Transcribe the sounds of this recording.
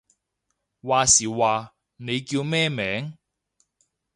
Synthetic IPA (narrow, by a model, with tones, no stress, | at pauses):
waː˨siː˨˩waː˨˧ | ne˨˧jkiː˧wmɛː˥mɛː˨˥ŋ